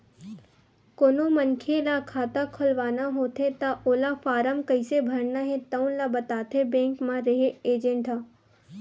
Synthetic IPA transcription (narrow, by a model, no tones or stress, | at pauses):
koːnomənkʰelakʰaːt̪akʰʊlʋaːnaɦoːt̪ʰet̪aʔoːlafaːɾəmkɐɪsebʱɐɾnaɦẽt̪ɐũlabɐt̪aːt̪ʰebẽːŋkmãɾɐɦeeːd͡ʒẽɳʈa